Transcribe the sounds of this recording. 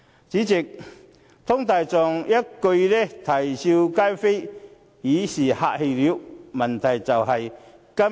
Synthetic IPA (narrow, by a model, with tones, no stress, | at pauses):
t͡ɕi˨˦t͡si˨˩k̚ | t̪ʰɔ˥ŋt̪aː˨˩jt͡sɔ˨˩ŋjɐ˦˥kːo˧jlɛ˦˥t̪ʰɐ˨˩jsi˧wka˥jfe˥j | iː˨˥siː˨˩ha̰ː˧ʔhe˧jli˨˦˥wmɐ˨˩nt̪ʰɐ˨˩jt͡sɐ˨˩wɦɐ˨˩j | kɐ˦˥